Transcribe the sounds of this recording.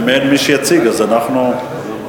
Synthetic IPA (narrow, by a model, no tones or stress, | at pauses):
menmiʃejat͡siɡazanaχnu